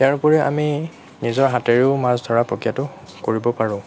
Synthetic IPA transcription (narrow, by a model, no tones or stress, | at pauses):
tjaɹpɔɹɛʔa̰mi | nizɔɹɦatɛɹiʊmasdʱɔɹapɹokijatʊ | koɹibɔpaɹʊ̃